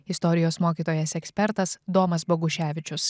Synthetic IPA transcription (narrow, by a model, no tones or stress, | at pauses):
ɪst̪ɔɾʲɪjoːsmoːkʲiːt̪oːjɛsɛksʲpʲɛɾt̪ɐsd̪oːmɐsbɔɡʊʃʲæːʋʲɪt͡ʃʲʊs